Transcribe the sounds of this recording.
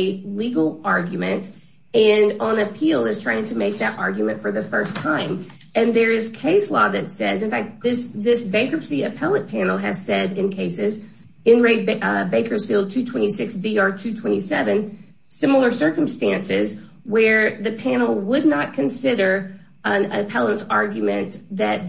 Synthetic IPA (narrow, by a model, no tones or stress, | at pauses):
liɡl̩ˠɑɹɡjɨmɨ̃nt | ɨ̃nə̃nɨpʰilˠɪz̥tʰɹ̥aɪɪ̃ŋtʰɨmeɪk̚ðɨɾʔɑ̰ɹɡjmɨ̃ntfə˞ðɨfɜ˞stʰãɪ̃m | ɨ̃nðə˞ɪz̥kʰeɪslɔðɨtsɛzɨ̃nfæk̚t̪̚ðɪsðɪsbeɪkəpsiɨpʰɛlˠət̚pʰæ̃nl̩ˠɨz̥sɛɾɨ̃nkʰeɪsɪz | ɨ̃nɹeɪd̚beɪkə˞z̥filˠd̚tʰʉtʰw̥ɛ̃ɾ̃isɪksb̥iɑɹtʰʉtʰw̥ɛ̃ɾ̃isɛvɨ̃n | sɪ̃ml̩ˠə˞sɜ˞kɨ̃m̩stæ̃nsɪz | wə˞ðɨpʰæ̃nl̩ˠwədⁿnət̚kʰɨ̃nsɪɾə˞ | ə̃ɨ̰pʰɛlˠə̃nsɑɹɡjɨmɨ̃nðɨt̪̚